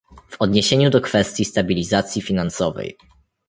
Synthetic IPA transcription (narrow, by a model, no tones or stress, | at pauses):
v̥ɔd̪ɲeɕeɲud̪ɔkfɛst̪ʲjist̪abʲilʲizat̪sʲjifʲinansɔvɛ̰j